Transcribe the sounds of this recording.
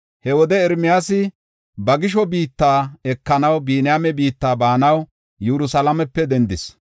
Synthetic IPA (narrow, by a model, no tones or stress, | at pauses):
hɛwɔd̪ɛɛɾmɪjaːsɪ | bɐɡɪʃ̬ɔbiːt̪ːaːɛkːɐnɐwbiːnɪjamɛbiːt̪ːaːbaːnɐw | jɛɾʊsɐlɐmɛpːɛd̪ɛnd̪ɪs